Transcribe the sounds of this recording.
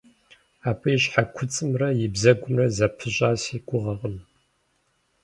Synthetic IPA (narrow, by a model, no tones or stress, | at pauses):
aːpʰʼɨjɕħakʷʰʊt͡sʼɨmrɐjɪbzɐɡʷʊmrɐzɐpʰɨɕʼaːsiːɡʷʼʊʁɐʁəm